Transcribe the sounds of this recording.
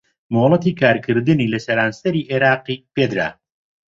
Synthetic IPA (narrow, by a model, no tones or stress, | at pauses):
moːlˠɐt̪iːkʰaːɾkʰɨɾd̪ɨniːlɐsɛɾaːnsɐɾiːʔeɾaːqiːpeːd̪ɾa̰ː